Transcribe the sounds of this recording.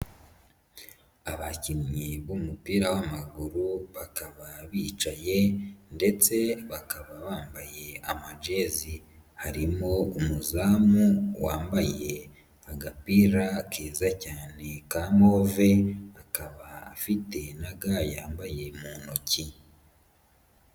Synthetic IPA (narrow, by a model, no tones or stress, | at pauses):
aβacimɲiβumupiːɾawamaɡuɾuβakaβaβiːt͡ʃaje̞nde̞t͡se̞βakaβaβaːmbaje̞amad͡ʒe̞zihaɾimoumuzaːmuwa̰ːmbaje̞ | aɡapiːɾakʰeːzacaːne̞kamo̞ːve̞βakaβaːfite̞naɡajaːmbaje̞muːnoci